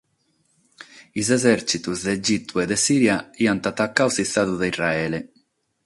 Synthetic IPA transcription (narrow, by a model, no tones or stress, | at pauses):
izɛzɛɾt͡ʃit̪uzd̪ed͡ʒit̪ːued̪esiːɾjaiant̪at̪akːawsist̪aðuðeiraɛːle